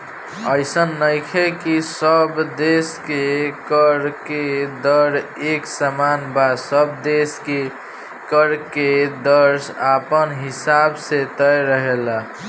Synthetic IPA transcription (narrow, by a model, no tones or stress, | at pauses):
əjsənːəjkʰekisəbd̪eskekəɾked̪əɾeksəmanbasəbd̪eske | kəɾked̪əɾsapənɦisabset̪əjɾəɦela